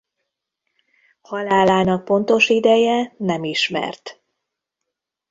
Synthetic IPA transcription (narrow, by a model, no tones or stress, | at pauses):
hɒlaːlaːnɒk̚po̞nt̪o̞ʃid̪ɛjɛnɛmiʃmɛ̰rt̪